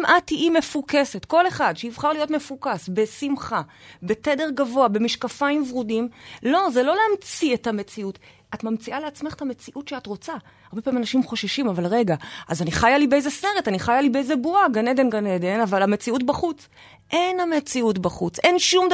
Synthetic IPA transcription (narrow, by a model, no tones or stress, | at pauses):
mʔatiʔime̞fuke̞se̞tko̞le̞χadʃeivχaʁlijo̞tme̞fukasbe̞simχabe̞tede̞ʁɡavo̞abe̞miʃkafaimvʁudimlo̞zelo̞leamt͡sietame̞t͡siut | atmamt͡siʔaleat͡smeχetame̞t͡siʔutʃeatʁo̞t͡sa | aʁbepaːimanaʃimχo̞ʃaʃimavalʁeɡaʔazaniχajalibeejzesne̞ʁetaniχajalibeejzebuaɡaned̪e̞nɡaned̪e̞navalhame̞t͡siutbaχut͡s | ʔe̞nhamet͡siutbaχut͡sʔe̞nʃumd